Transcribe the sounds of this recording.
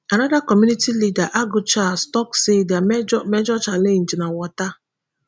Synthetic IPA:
anɔdakɔmunitilidaʔaɡʊt͡ʃastɔksedamɛd͡ʒɔt͡ʃalen̩d͡ʒinawɔta

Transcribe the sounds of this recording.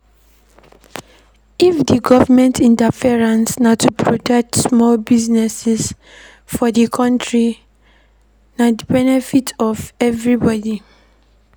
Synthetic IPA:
ifdiɡɔvəmɛ̃ntĩntafiɹãnsnatupʰɹotʰɛk̚tsmɔlbiznɛsɛs | fɔdikʰɔ̃ntɹi | nadəbɛnɛfitʰɔvɛvɹibɔdi

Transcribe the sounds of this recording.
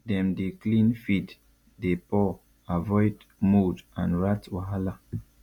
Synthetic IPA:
dɛ̃mdeklĩnfid | depɔ | avɔjd | mudãnɹatwaɦala

